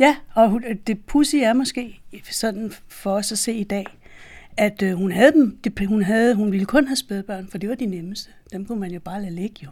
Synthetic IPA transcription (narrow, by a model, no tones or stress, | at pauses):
jæɒ̽d̥e̝pʰusiæɐmɒ̽sɡ̥e̝̰ːsɒ̽d̥n̩fɒ̽ːsæse̝̰ːid̥ɛ̰ːʔæd̥hunɦæð̞̩ˠd̥emd̥e̝hunɦæð̞ˠɦunʋiləkʰɔ̽nɦæsb̥eð̩ˠb̥ɶɐ̰nfɒ̽d̥e̝ʋɑ̈d̥ineməsd̥əd̥emkʰumænjo̝b̥ɑ̈ːlæleɡ̥əjo̝